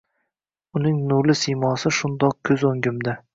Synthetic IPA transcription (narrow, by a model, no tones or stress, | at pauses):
ʊnɪŋnʊlɪsijmɒsɪʃʊnd̪ɒq̚kʲʰɵzoŋɡʲɪmd̪ɪ